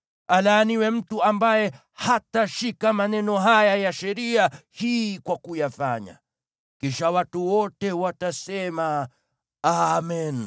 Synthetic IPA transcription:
alaniwɛm̩tuambajɛ | hataʃikamanɛnɔɦajajaʃɛɾiahiːkwakujafa̰ɲa̰ | kiʃawatuwɔtɛwatasɛma | amɛn

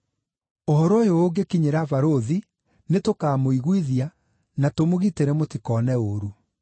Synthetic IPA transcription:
ohɔɾɔjoːɡekiɲeɾavaɾoði | netokaːmoiɣwiðia | natomoɣiteɾɛmotikɔːnɛoɾu

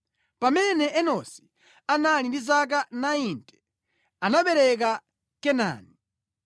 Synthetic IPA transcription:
pamɛnɛɛnɔsi̥ | analindizak̬anaintʰʼɛ̥ | anaɓɛɾɛk̬a | kɛna̰ːni

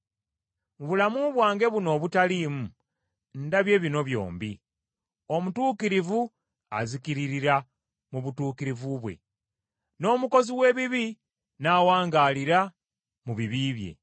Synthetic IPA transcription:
muβulamuβwaːŋɡe̞βuno̞ːβutaliːmu | ndaβje̞ːβino̞βjo̞̰ːmbi | o̞mutuːkiɾivu | a̰zikiɾiɾiɾa | muβutuːkiɾivuβwe̞̰ | no̞ːmuko̞ziwe̞ːβiβi | naːwaːŋɡaːliɾa | muβiβiβje̞̰

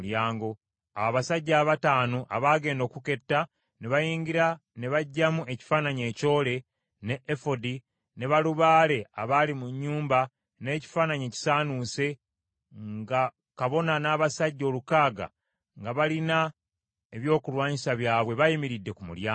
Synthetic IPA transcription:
jaːŋɡo̞ | aaβasaɟːaːβataːnoʔa̰βaːɡe̞ːndo̞ːkuke̞tːa | neβajiːɲɟiɾa | ne̞βaɟːamue̞ci̥faːnaɲe̞ːco̞ːle̞ | ne̞ʔefodi | ne̞βaluβaːle̞a̰βalimuɲːuːmba | ne̞ːci̥faːnaɲe̞ːci̥saːnuse̞ | ŋɡa | kaβo̞nanaːβasaɟːo̞ːlukaːɡa̰ | ŋɡaβalina | e̞βjo̞ːkulwaːɲisaβjaːβwe̞βajimiɾidːe̞kumṵɾjaː

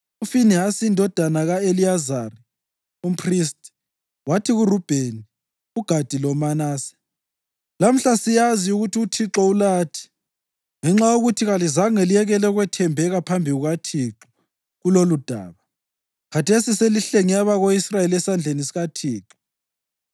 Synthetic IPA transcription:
ufiniɦasindʱɔd̥ʱanaɣaeliazari | um̩pʰrist | watʰiɣurub̥ʱeni | uɡ̥ʱad̥ʱilɔmanaːsɛ̥ | lam̩ɬasijaziuɣutʰiutʰiǁɔulaːtʰi̥ | ŋɛŋ͡ǁajoɣutʰiɣalizaŋɛlijɛɣɛlɛɣwɛtʰɛmbʱɛɣapʰambʱiɣuɣatʰiǁɔ | ɣulolud̥ʱa̰ːβa | kʰatʰesiseliɬeŋiaβaɣoisrajelɛsand͡ɮʱenisiɣatʰiːǁɔ̥

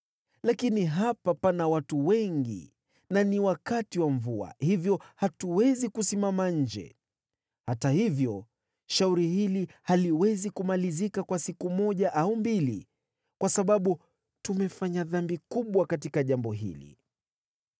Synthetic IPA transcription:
lakiniɦapapanawatuwɛŋɡḭ | naniwakatiwaɱvua̰hivjɔhatuwɛzikusimamaɲ̩d͡ʒɛ̰ | hatahivjɔ | ʃauɾihilihaliwɛzikumalizikakwasikumɔʄaʔaumbilḭ | kwasaɓaɓu | tumɛfaɲaðambikuɓwakatikaʄambɔɦḭlḭ

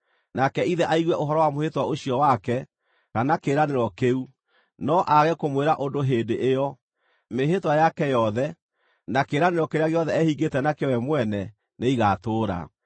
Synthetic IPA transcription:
nakɛiðɛʔaiɣwɛʔoɦɔɾɔwamohetwaoɕijɔwakɛ | kanakeɾaneɾɔkeu | nɔʔaɣɛkomweɾaʔondoɦeːdeʔejɔ | meɦetwajakɛjɔðɛ | nakeːɾaneɾɔkeɾeaɣeɔðɛɛhiɡetɛnakeɔwɛmwɛnɛ | neiɣatoːɾa̰

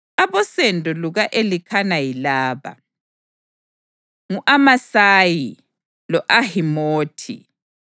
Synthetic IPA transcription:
aβɔsɛndʱʼɔluɣaʔelikʰanajilaːβa̰ | ŋuʔamasaji | lɔʔahimoːtʰḭ

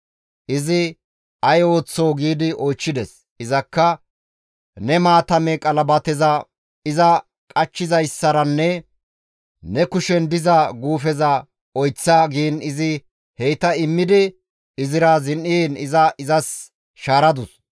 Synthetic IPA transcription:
ʔɪzɪ | ɐjo̞ːt͡sːoːɡiːd̪ɪʔɔjt͡ʃːɪd̪ɛs | ʔɪzɐkːɐ | nɛmaːt̪ɐmɛkʼɐlɐbɐt̪ɛzɐ | ɪzɐ | kʼɐt͡ʃːɪzɐjsːɐɾɐnːɛ | nɛkʊʃɛnd̪ɪzɐɡuːfɛzɐ | ɔjt͡sːaːɡiːnɪzɪ | hɛjt̪ɐɪmːɪd̪ɪ | ɪzɪɾɐzɪnʔiːnɪzɐʔɪzɐs | ʃaːɾɐd̪ʊs

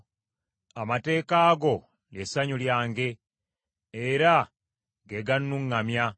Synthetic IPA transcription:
amate̞ːkaːɡo̞ | ljesaɲuljaːŋɡe̞ː | ɾa | ɡeɡanːuŋːamja

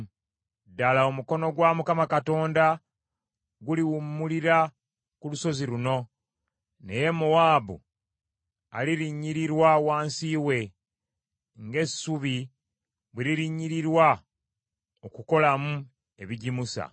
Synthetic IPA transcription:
dalaomuko̞no̞ɡwamukamakato̞ːnda | ɡuliwumːuliɾa | kuluso̞ziɾuno̞ | ne̞je̞muwaːbṵ | a̰liɾiɲːiɾiɾwawaːnsiːwe̞ | ŋɡe̞suβi | βweɾiɾiɲːiɾiɾwa | okuko̞lamu | e̞βiɟimusa̰

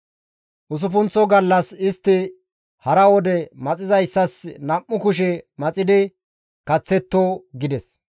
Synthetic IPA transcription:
ʔʊs̬ʊfʊnt͡sːɔɡɐlːɐsɪst̪ːɪ | hɐɾɐwɔd̪ɛmɐt͡sʼɪzɐjsːɐsnɐmːʊkʊʃɛmɐt͡sʼɪd̪ɪ | kɐt͡sːɛt̪ːoːɡɪd̪ɛs

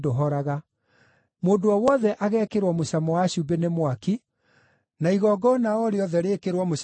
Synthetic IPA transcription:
doɦɔɾaɣa | moːdoɔwɔðɛʔaɣɛːkeɾwɔmosamɔwaɕubenemwaki | naiɣɔɡɔnaɔɾeɔðɛɾeːkeɾwɔmos

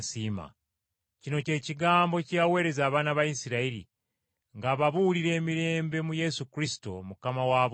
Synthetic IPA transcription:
siːma̰ | cino̞ce̞ːciɡaːmbo̞cawe̞ːɾe̞zaːβaːnaβajisiɾaiɾḭ | ŋɡaːβaβuliɾe̞ːmiɾe̞ːmbe̞muje̞sukɾisi̥to̞̰mukamawaːβ

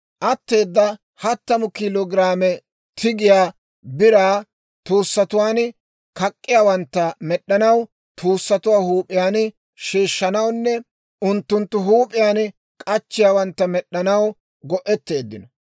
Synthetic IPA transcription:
ʔɐt̪ːe̞ːd̪ːɐ | hɐt̪ːɐmʊkɪlɔɡɪɾaːmɛ | t̪ʰɪɡɪjaː | bɪɾaː | t̪uːsːɐt̪ʊwaːn | kɐkʼːɪjaːwɐnt̪ːɐmɛɗːɐnɐw | t̪ʰuːsːɐt̪ʊwaːhuːpʼɪjaːn | ʃiːʃːɐnɐwnːɛ | ʊnt̪ːʊnt̪ːʊɦuːpʼɪjaːn | kʼɐt͡ʃːɪjaːwɐnt̪ːɐmɛɗːɐnɐw | ɡɔʔɛt̪ːe̞ːd̪ːɪnɔ

